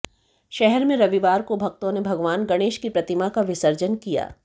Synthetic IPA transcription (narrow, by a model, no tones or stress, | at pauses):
ʃɛɦɛɾmẽɾɐʋiʋaːɾkobʱɐk̚t̪õnebʱɐɡʋaːnɡɐɽ̃eːʃkipɾɐt̪ɪmakaʋɪsəɾd͡ʒənkija̰ː